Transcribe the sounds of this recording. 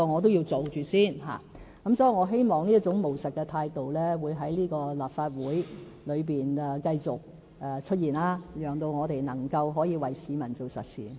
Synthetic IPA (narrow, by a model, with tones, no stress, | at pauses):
ɔ˧ŋɔː˨˧t̪o˥wji˧wt͡so˨wt͡ʃyː˨siː˥˩nɦa̰ː˨˩ | kɐ˨˥msɔː˨˥ji˨ŋɔː˨˧˥ɦe˥jmɔː˨˩ŋniː˥ɐ˥t̚t͡sʊ˨˥ŋmo˨˩wsɐ˨t̚kːɛ˧t̪ʰaː˧jt̪o˨wlɛː˥wuː˨˧jɦɐ˨˥jliː˥kɔː˧laː˨˩p̚faː˧t̚wuː˨˥j | lɵ˨˧ɥpiː˨nɛ˧kɐ˧jt͡sʊ˨k̚ | ɛː˨t͡ʃʰɵ˥t̚jiː˨˩nlaː˧jœː˨˩ŋt̪o˧wŋɔː˨˧t̪e˨jnɐ˨˩ŋkɐ˧wɦɔː˨˥jiː˨˧wɐ˨jsiː˨˧mɐ˨˩nt͡so˨wsɐ˨t̚sḭː˨n